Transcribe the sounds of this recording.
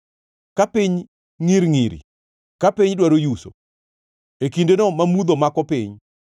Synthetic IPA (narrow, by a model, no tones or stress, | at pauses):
kapiɲ | ŋiɾŋiɾḭ | kapiɲdwaɾojuso̰ | ekindenɔmamud̪omakɔpɪɲ